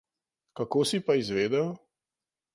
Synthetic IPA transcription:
kakoːsipaizʋeːd̪ɛw

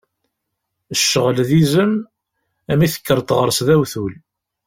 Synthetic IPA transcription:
əʃːəʁlðizəm | æmiθə̥kːəɾˤt̪ˤʁəɾˤsðæwθul

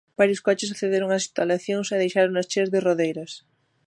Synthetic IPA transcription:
b̥aɾjoskɔt͡ʃɪsaθeðeɾoŋasist̪alaθjoŋsaðejʃaɾonast͡ʃezðɪroðejɾɐs

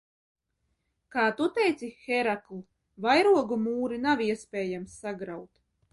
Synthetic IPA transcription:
kaːt̪ut̪ɛjt̪sixɛɾaklˠu | vajɾuɔɡumuːɾinaviɛspʲɛːjamsːaɡɾawt̪

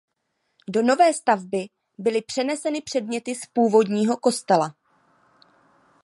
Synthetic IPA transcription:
do̞no̞vɛːst̪avbɪ | bɪlɪpr̥ɛnɛsɛnɪpr̥ɛdmɲɛt̪ɪspuːvo̞dɲiːɦo̞ko̞st̪ɛla

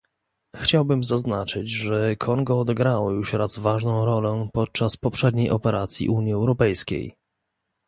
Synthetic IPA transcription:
xt͡ɕawbɘmzaznat͡ʂɘd͡ʑʐɛkʰɔnɡɔːd̪ɛɡɾawjuʂɾazvaʐnɔ̃w̃ɾɔlɛpɔt̪̚t͡ʂaspɔpʂɛd̪ɲejʔɔpɛɾʔat̪sʲjḭʔuɲjiɛwɾɔpɛjskʲḛj

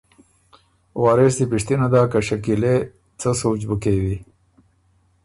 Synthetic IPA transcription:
wɑːɾɪs̬d̪ipiʂt̪inad̪akaʃakile | t͡səsot͡ʃbəkewi

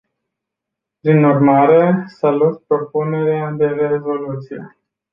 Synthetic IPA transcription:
pɾinurmaɾe̞salot̪pɾo̞pune̞ɾead̪e̞re̞zo̞lut̪sije̞̰

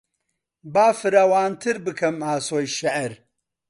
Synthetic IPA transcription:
baːfɨɾaːwaːnt̪ʰɨɾbɨkʰɐmaːsoːjʃɪʔɾ

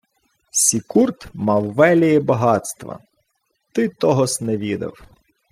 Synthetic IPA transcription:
sʲikurt̪mɑwːɛlʲijɛbɐɦɑt̪st̪ʋɐ̰ | t̪ɪt̪ɔɦɔsnɛʋʲid̪ɐ̰w

